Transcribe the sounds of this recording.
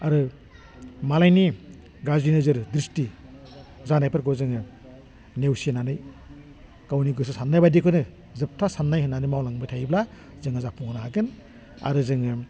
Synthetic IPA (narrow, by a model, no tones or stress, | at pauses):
aɾɯ | malajni | ɡazinɯzɯɾdɾisti | zanajpʰɯɾɡɔzɯŋɯ | newsienanɯj | kawniɡɯs̬ɯsanːajbadikʰɯnɯ | zɯp̚tʰasanːajhɯnːanɯjmawlaŋbɯtʰajbla | zɯŋazapʰuŋɯnaaɡɯn | a̰ɾɯzɯŋɯ